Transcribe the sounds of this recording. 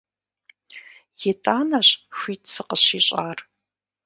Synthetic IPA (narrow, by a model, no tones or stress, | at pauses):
jetʼaːnɐɕʼɕʷiːtʼsɨqəɕiɕʼaːr